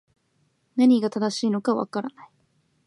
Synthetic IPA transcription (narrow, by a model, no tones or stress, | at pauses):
naɲ̟iɡat̪ad̪aɕiːno̞kaβa̰kaɾanai